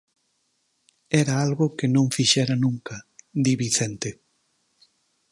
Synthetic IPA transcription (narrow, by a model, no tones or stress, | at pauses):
ɛɾaalɣʊkenõŋfiʃɛɾanũŋkad̪iβiθɛnt̪e